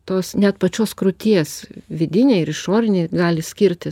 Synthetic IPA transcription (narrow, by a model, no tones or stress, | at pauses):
t̪oːsnʲɛt̪pɐt͡ʃʲoːskɾʊt̪ʲiɛsʋʲɪd̪ʲɪnʲeɪɪɾɪʃoːɾʲɪnʲeɡɑːlʲɪsʲkʲɪɾʲt̪ʲɪ